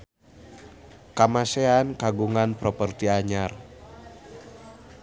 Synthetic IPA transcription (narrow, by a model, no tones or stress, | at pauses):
kamaseankaɡuŋanpɾɔpərt̪iaɲar